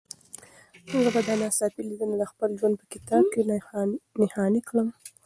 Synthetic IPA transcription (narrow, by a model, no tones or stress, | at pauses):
tuɡabad̪ɑnɑsɑpilid̪ənad̪əxpəlʒwand̪̚pə̥kɪt̪ɑb̚ke | nɪhɑnikɽəm